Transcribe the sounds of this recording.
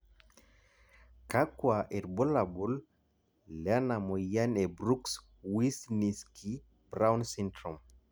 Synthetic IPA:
kakwaʔɛɾbɔlabul | lanamɔjanɛbɾuks | wisniskʰi | bɾawnsintɾɔm

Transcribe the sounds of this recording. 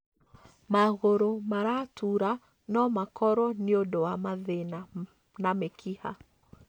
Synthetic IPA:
maɣoɾomaɾatʰuɾa | nɔmakɔɾɔniodɔamaðena | namekʰiha̰

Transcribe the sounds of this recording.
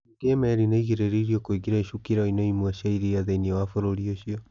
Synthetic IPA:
ɡemɛɾinaiɣeɾeɾiɾiokoiɡiɾaiʃukiɾaoinɔimwɛʃaiɾiaðeiniɛwafoɾoɾioɕiɔ

